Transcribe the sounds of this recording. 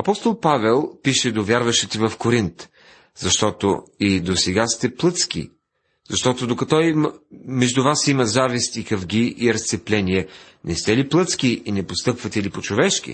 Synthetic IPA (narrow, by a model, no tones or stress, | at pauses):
ɐpɔst̪olˠpavɛlˠpiʃɛd̪ovʲjaɾvɐʃit̪ɛvɐfkoɾint̪ | zɐʃt̪ɔt̪o̰id̪osɛɡast̪ɛplˠɤt̪skḭ | zɐʃt̪ɔt̪od̪okɐt̪ɔimmɛʒd̪uvasimɐzavist̪ikɐvɡ̟iʔiɾɐst̪sɛplɛniɛ | nɛst̪ɛliplˠɤt̪sk̟iinɛpost̪ɤpvɐt̪ɛlipot͡ʃovɛʃkʲḭ